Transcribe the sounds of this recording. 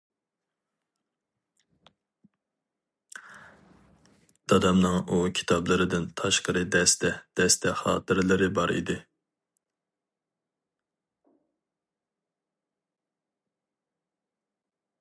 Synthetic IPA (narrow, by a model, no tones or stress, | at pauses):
d̪̥ɑd̪ɑmnɨŋukʲʰi̥t̪ʰɑblˠɨɾɨd̪ɪnt̪ʰɑʃqəɾɨd̪ɛst̪ʰɛd̪̥ɛst̪ʰɛχɑ̰ːt̪ʰɨɾlˠɨɾɪbɑɾḭd̪ɪ